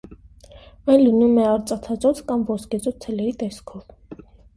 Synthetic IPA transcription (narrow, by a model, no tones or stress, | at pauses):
ɑjnlənumɛɑɾt͡sʼɑt̪ʰɑt͡sɔt͡sʰkɑmvɔskɛt͡sɔt͡sʰt͡s̪ʰɛlɛɾit̪ɛskʰɔv